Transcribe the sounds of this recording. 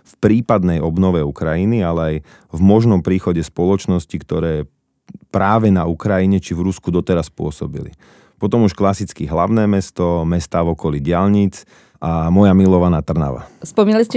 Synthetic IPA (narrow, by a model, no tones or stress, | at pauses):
fpɾiːpad̪nɛjɔbnɔʋɛukɾajinialɛaj | vmɔʒnɔmpɾiːxɔɟɛspɔlɔt͡ʃnɔscikt̪ɔɾɛː | pɾaːʋɛnaukɾajiɲɛt͡ʃivɾuskud̪ɔt̪ɛɾaspʊɔsɔbḭlḭ | pɔt̪ɔmuʃklasit͡skiɦla̰ʊnɛːmɛst̪ɔmɛst̪aːvɔkɔliɟɪaʎɲit͡s | amɔjamilɔʋanaːt̪r̩na̰ʋa̰spɔminaliscɛ